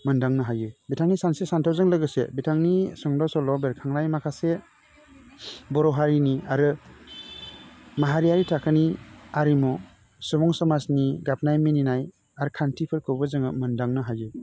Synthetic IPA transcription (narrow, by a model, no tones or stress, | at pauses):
mɯndaŋnɯɦajɯbitʰaŋnisansesantʰawzɯŋlɯɡɯsḛbitʰaŋnisɔŋdawsɔlɔbeɾkʰaŋnajmakʰase | bɔɾɔɦaɾiniaɾɯ | maɦaɾijaɾitʰakʰɯniaɾimɔ | sɔbɔŋsɔmasniɡap̚najmininaj | aɾɯkʰantʰipʰɯɾkʰɯbɯzɯŋɯmɯndaŋnɯɦajɯ